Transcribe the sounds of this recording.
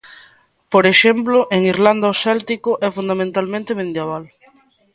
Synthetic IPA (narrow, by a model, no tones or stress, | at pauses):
poɾeʃemplʊʔeŋiɾland̪aosɛlt̪ikʊʔɛfund̪amẽnt̪almẽnt̪emẽnd̪jaβ̞al